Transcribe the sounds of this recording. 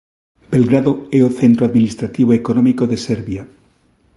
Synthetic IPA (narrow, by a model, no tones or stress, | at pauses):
belɡɾaðoeoθent̪ɾoaðminist̪ɾat̪iβ̞oekonõmikoðeseɾβja